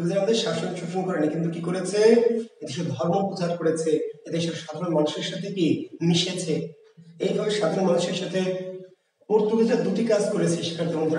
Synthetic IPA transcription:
d̪ed͡ʑaɾamad̪eɾʃaʃont͡ɕuʈʰːinkɔɾenikint̪ukikoɾet͡ɕʰeet̪eʃ̬ɔbd̪ʱɔɾnopɾot͡ɕaɾkoɾet͡ɕʰeet̪eʃɔbʃad̪ʱanomanuʃeɾʃat̪ʰekiniʃet͡ɕʰe | ejbʱabeʃad̪ʱonomanuʃeɾʃat̪ʰe | puɾt̪uk̪id͡ʑad̪uʈikad͡ʑkoɾet͡ɕʰeʃi̥kaɾd̪ʱɔɾmod̪ɾ

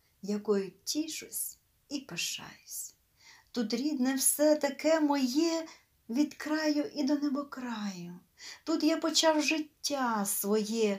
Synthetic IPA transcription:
jɐkɔjʊtʲiʃʊsʲ | ipeʃɑ̰jʊsʲ | t̪ut̪ɾʲid̪nɛwsɛt̪ɐkɛmɔjɛ | ʋʲid̪kɾɑjʊʔid̪ɔnɛbɔkɾɑjʊ | t̪ut̪japɔt͡ʃɑwʒɪtʲːasʋɔjɛ

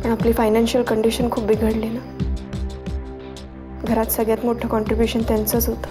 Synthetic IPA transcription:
əɽ̃apliːfajnanɕijəlkəɳɖiɕənkʰuːpʋiɡʱəɽlina | ɡʱəɾat̪səɡɭjat̪moʈʰəkɔɳʈɾibjuɕənt̪jant͡səːt͡sɦot̪ə̥

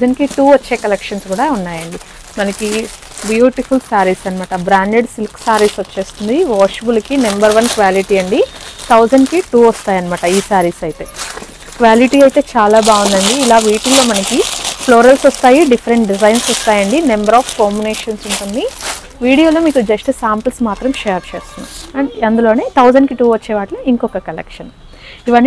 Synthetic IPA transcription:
d͡ʒɐnkiʈuːʋɐːe̞ːkɐlekʂɐnsɡuːɽaːunːaːjɐɳɖi | mɐnɐki | bjuːʈipʰulsaːɾiːsɐnimaːʈɐbɾaːɳɖeɖsilksaːɾiːsʋɐt͡ʃːe̞ːst̪und̪iʋaːʂbulkinɐmbɐɾʋɐnkʋaːliʈiːɐɳɖit̪ʰɐwd͡ʒɐɳɖkiʈuːɐst̪aːjɐnimaːʈɐiːsaːɾiːsɐjt̪e̞ː | kʋaːliʈiːɐjt̪e̞ːt͡ʃaːlaːbaːʋund̪ɐɳɖiːlaːʋiːʈulo̞ːmɐnɐkiploːɾɐlsɔst̪aːjiɖifʰɐɾeɳʈɖizɐjnsɔst̪aːjɐɳɖinɐmbɐɾaːfkoːɾmuneːʂɐnsuɳʈund̪i | ʋiːɽijoːloːmiːkud͡ʒɐsʈusaːmpɐlsmaːt̪ɾɐmʃeːɾt͡ʃeːst̪und̪iɐɐnd̪ulo̞ːneːt̪ʰɐwd͡ʒɐɳɖkiʈuːʋɐt͡ʃːɛːʋaːʈluiŋkɔkɐkɐlḛkʂɐn | iʋɐnːi

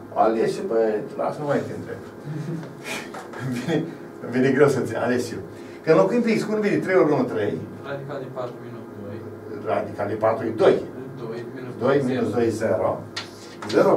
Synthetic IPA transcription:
a̰leʃbət̪la̰snumajk̪ent̪ɾeb | vine | vineɡɾewsənsʲia̰lesʃiw | kɨnlokuimpikskunvinet̪ɾejoɾɡunut̪ɾej | rad̪ikalipat̪ɾud̪oj | d̪ojminusd̪ojzeɾo | zeɾo

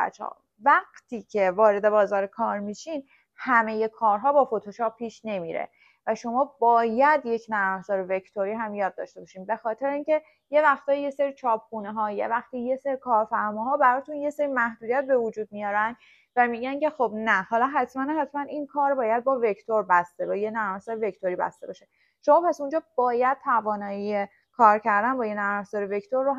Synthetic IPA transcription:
æ̰t͡ʃɒ̰ː | væɡt̪ʰiːcʰe̞vɒːɾe̞d̪e̞bɒːzɒːɾekʰɒːɾmiʃin | hæme̞je̞kʰɒːɾɦɒːbɒːfo̞t̪ʰoʃʰɒːpʰːiːʃne̞miɾḛ | væʃo̞mɒːbɒːjæd̪je̞cʰnævhzɒːɾeve̞ct̪ʰoɾiːɦæmjɒːd̪̚ːɒːʃt̪e̞bɒʃiːmbe̞xɒːt̪ʰe̞ɾeiːncʰe̞ | je̞væxt̪ʰɒːjje̞seɾit͡ʃʰɒːp̚ʰxuːneɦɒːjevæxt̪ijeseɾikʰɒːɾfæɾmɒːɦɒːbæɾɒːt̪ʰunje̞seɾimæhd̪uːd̪iæt̪̚be̞vod͡ʒuːd̪̚mijɒːɾænd̪ | væmiːɟæncʰe̞xobnæhɒːlɒɦæt̪ʰmænhæt̪ʰmæninkʰɒːɾbɒːjæd̪̚bɒːve̞cʰt̪ʰoɾbæst̪ebɒjenæɾæhsɒɾeve̞ct̪ʰoɾibæ̰st̪e̞bɒːʃe | ʃomɒːpæsund͡ʒɒːb̥ɒːjæd̪̚t̪ʰævɒːnɒːjije | kʰɒːɾcʰæɾd̪ænbɒːjenæɾæsɒːɾeve̞ct̪ʰoɾːoɦ

